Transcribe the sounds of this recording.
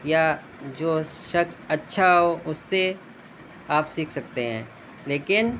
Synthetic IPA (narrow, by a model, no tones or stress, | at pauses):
ja | d͡ʒoːʃɐksɐtːʃʰaɦɦoʔʊsːe | aːpsiːkʰsɐk̚t̪eɦɛ̃ː | leːkɪn